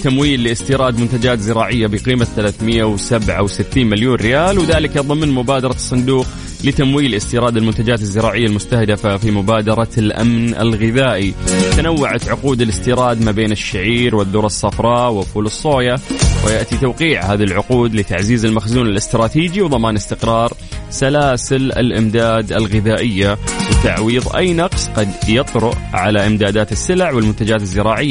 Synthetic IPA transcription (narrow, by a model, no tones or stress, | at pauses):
t̪amwiːlːɪʔɪst̪iːɾˤɑːd̪mʊnt̪ad͡ʒaːt̪zɪɾɑːʕɪjːabɪqiːmaθalaːθmɪjːawsabʕa̰wsɪt̪ːiːnmɪljuːnɾɪjaːlwðaːlɪkɑðˤɨmnmʊbaːd̪ɑɾˤɑsˤːɑnd̪uːq | lɪt̪amwiːlʔɪst̪iːɾˤɑːd̪ɪlmʊnt̪ad͡ʒaːt̪ɪzːɪɾɑːʕɪjːalmʊst̪ahd̪ɪfafimʊbaːd̪ɑɾˤɑlʔa̰mnɪ̰lɣɪðaːʔit̪anawːaʕat̪ʕʊquːd̪ɪlɪst̪iːɾˤɑːd̪mabeːnɪʃːaʕiːɾwɪðːʊːɾˤɑsˤːɑfɾˤɑːwɪfuːlɨsˤːoːjawɪjaʔt̪it̪awqiːʕhaːðalʕʊquːd̪lɪt̪aʕziːzɪlmaxzuːnɪlɪst̪ɾˤɑːt̪iːd͡ʒiwðˤɑmaːnɪst̪ɪqɾˤɑːɾˤ | salaːsɪlɪ̰lʔɪmd̪aːd̪ɪlɣɪðaːʔɪjːawɪt̪aʕwiːðˤʔa̰jːnɑqsqɑd̪jɑt̪ˤɾʊʔʕalaʔɪmd̪aːd̪aːt̪ɪsːɪlʕwɪlmʊnt̪ad͡ʒaːt̪ɪzːɪɾɑːʕɪjːa